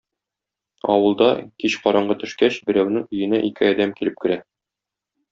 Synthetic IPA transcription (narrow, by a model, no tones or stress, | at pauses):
ɒ̰wɤ̆lˠd̪ɑ̰kiɕqɒɾɑɴɢɤt̪ɵ̆ʃkæɕbɘ̆ɾæwnɘŋɵ̆jɘ̆næʔikɘɒd̪æmkilɘp̚kɘ̆ɾæ